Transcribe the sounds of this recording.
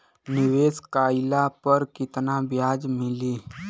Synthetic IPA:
nɪʋeːskaːɪlapəɾkɪt̪nabjaːd͡ʒmɪliː

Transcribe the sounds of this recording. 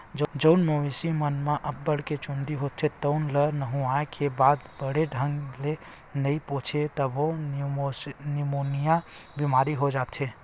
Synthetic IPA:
d͡ʒd͡ʒəʊnmoʋisimənmeʔəbːəɽ̤ket͡ʃõnd̪iɦot̪ʰet̪əʊnlənəɦũaekʰebaːd̪bəɽeɖʱəŋɡle | nəĩpõt͡ʃʰet̪əbo | nimonijabimaːɾiɦod͡ʒaːt̪ʰe

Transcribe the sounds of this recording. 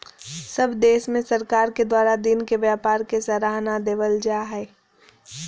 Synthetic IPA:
səbʱd̪eːʃmẽsɐɾkaːɾked̪waːɾad̪ɪnkeʋjaːpaːɾkesɐɾaːɦnad̪eːʋəld͡ʒaːɦɛː

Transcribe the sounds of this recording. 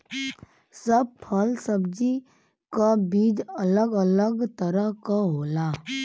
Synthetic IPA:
səb̚pʰəlsəbd͡ʒi | kabiːd͡ʒələɡələɡt̪əɾəɦkaɦoːla

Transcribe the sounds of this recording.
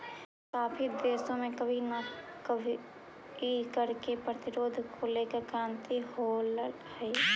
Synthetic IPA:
kaːpʰid̪eːsõmẽkəbʱinə | kəbʱi | ikəɾkepɾət̪ɪɾoːd̪ʱkʰoːlekekɾaːnt̪iholə | hɛi

